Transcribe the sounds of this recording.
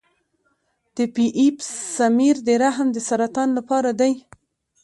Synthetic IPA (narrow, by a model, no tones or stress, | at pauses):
d̪̥əpiʔipsamiɾd̪əɾaɦamd̪əsaɾat̪ɑnlapɑɾad̪aj